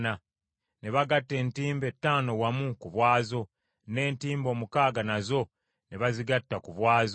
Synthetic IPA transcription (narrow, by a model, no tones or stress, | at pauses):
na | ne̞βaɡatːe̞ːntiːmbe̞tːaːno̞wamukuβwaːzo̞ | ne̞ːntiːmbo̞ːmukaːɡanazo̞ | neβaziɡatːakuβwaːzo